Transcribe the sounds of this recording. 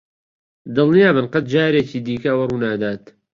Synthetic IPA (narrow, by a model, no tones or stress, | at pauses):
d̪ɨlˠnijaːbɨnqɐt̪̚d͡ʒaːɾeːt͡ʃiːd̪iːkɐwɐruːnaːd̪aːt̪